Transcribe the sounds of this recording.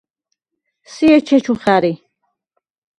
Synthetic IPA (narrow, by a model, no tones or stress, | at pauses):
siɛt͡ʃʰɛt͡ʃʰuχaɾi